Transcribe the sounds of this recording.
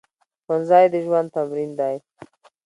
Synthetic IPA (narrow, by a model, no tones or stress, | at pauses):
xanzɑjd̪əʒwand̪̚t̪amɾind̪aj